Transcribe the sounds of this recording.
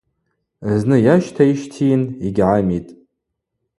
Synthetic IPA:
znɨjaʃtʰaiʃtʰiniɡʲʕamitʼ

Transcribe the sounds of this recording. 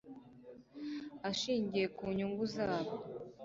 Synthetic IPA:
aʃiːɲɟije̞kuːɲuŋɡuzaːβo

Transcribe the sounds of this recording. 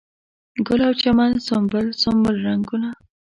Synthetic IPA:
ɡʊlawt͡ʃamansombəlsʊmbəlɾaŋɡuna

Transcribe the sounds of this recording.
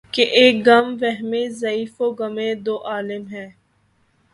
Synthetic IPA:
keʔeːk̚ɡɐmʋɛɦmẽzɐiːfoːɡɐmẽd̪oːʔaːlɪmɦɛ̃ː

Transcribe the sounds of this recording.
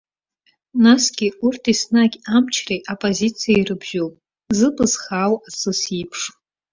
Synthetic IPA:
nasɡʲɪurtʰisnaɡʲamt͡ʃʰreʔopʼozit͡sʰijairɨbʒowpʼ | zɨpʼɨzχaːwasɨsipʰʂ

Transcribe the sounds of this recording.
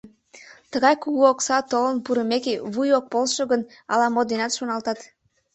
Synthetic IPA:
t̪əɣɑjkuɣuoksɑt̪olənpuɾəmekeβujok̚polʃoɣənɑlɑmod̪enɑt̪ʃonɑlt̪ɑt̪

